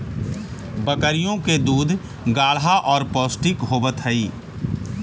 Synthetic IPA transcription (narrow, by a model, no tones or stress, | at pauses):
bəkəɾijõked̪uːd̪ʱ | ɡaːɭɦaʔɔːɾpoːsʈɪkɦoːbət̪ɦəiː